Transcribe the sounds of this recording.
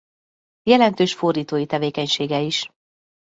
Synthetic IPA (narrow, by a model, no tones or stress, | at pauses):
jɛlɛnt̪øːʃfo̞rd̪iːt̪oːjit̪ɛveːkɛɲʃeːɡɛiʃ